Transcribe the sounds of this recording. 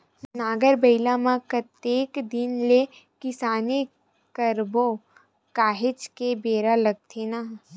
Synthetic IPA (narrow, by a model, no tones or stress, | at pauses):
naːɡəɾbəɪlãmãkət̪eːkd̪ɪnle | kɪsaːni | kəɾbo | kaːɦet͡ʃkebeːɾalɐɡ̚t̪ʰena